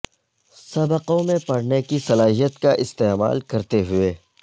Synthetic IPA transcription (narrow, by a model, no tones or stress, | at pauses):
sɐbəqõmẽpɐɽnekisɐlaːɦijət̪kaʔɪst̪eːma̰ːlkɐɾt̪eɦʊeː